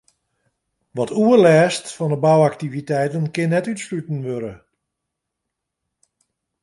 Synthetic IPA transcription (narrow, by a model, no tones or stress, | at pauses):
ʋɔtʰuərlɛːstfɔndəbawaktivitɛjtənkɪnːɛtytslytən̩ʋøɾə